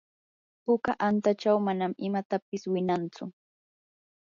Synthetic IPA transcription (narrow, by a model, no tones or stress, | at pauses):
pʊkaʔant̪at͡ʃawmanamɪmat̪apɪswɪnant͡sʊ